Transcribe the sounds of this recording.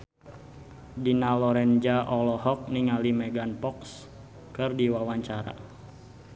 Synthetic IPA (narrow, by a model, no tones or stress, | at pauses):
dinalɔɾɛnd͡ʒaʔɔlɔɦɔk̚niŋalimɛɡanpɔks | kɨrdiwawaɲt͡ʃaɾa̰